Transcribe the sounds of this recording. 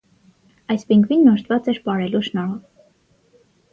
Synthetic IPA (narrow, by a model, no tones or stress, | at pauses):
ɑjspiŋɡvinːɔʃt̪ʰvɑt͡sɛɾpɑɾɛluʃnɔɾɔv